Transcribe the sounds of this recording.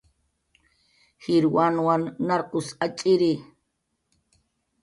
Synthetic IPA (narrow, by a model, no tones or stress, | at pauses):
hiɾwanwanːaɾkʊsat͡ʃʼiɾi